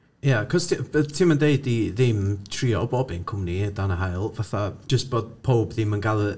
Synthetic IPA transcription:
jakʰɔstʰətʰiməndeɨdiðɪmtʰriːɔbɔbɪnkʰʊmnidanəɦajlˠvaθad͡ʒʒ̥əstb̥oːd̥̚pʰowbðɪmənɡalˠə

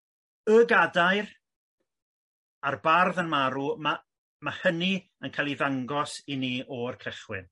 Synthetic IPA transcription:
əɡadajr | arbarðənmaɾuma | mahəni | ənkʰalˠiðaŋɡɔsiniːʔɔrkʰəχwɪ̰n

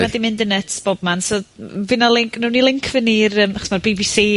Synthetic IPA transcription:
adimɪndənɛtʰb̥ɔb̚mansɔvɪnalˠɪŋkʰnuːnilˠɪŋkʰvənirəmaχɔ̥smarbibisiː

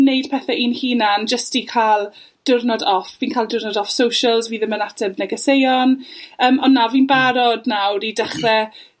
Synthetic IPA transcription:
nejd̥pʰɛːθɛʔiːnhiːnand͡ʒəstikʰalˠ | d̥ʊrnɔdɔfviːnkʰalˠdʊrnɔdɔfsowʃəlˠzviːðəmənatʰɛvnɛɡɛsejɔnəːmɔnːaviːnbaɾɔdnawɾidəχrɛ

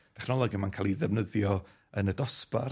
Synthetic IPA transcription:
tʰɛχnɔlˠɔɡimankʰaːlˠiðɛvnəðjɔ | ənədɔspa̰r

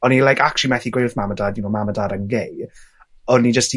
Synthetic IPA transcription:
ɔnilajkʰakʰʃimɛθiɡwejrθmamədaːdjunomamədaːdənɡej | ɔnid͡ʒəsti

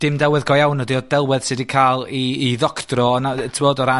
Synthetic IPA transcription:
d̥ɪmdɛwɛðɡɔjawnɔdiɔd̥ɛlˠwɛð̥sɨdikʰaːlˠiːðɔkʰtrɔnatʰmoːdɔɾa

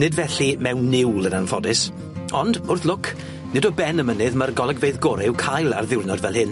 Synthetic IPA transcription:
nɪdvɛɬimɛwnːɪwlˠənanfɔdɪs | ɔndʊrθlˠʊkʰ | nɪdɔbɛnəmənɨðmarɡɔlˠɛɡvejðɡɔɾɛwkʰajlˠa̰rðɪwrnɔdvɛlˠhɪn

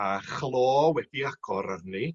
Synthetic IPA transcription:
aχlˠoːwɛd̥iaɡ̥ɔɾarni

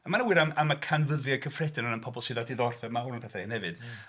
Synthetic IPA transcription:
amanəwɨɾamamakʰanvəðjakʰəfrɛdɪnənənpʰɔbɔlˠsɨðadiðɔrθɛmawɾənpʰɛθainhɛvɨd̥

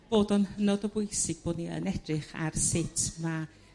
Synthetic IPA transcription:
b̥oːdɔnhənɔdɔbʊjsɪɡ̥̚b̥oːdniə̰nɛdrɪχa̰rsɪtʰma

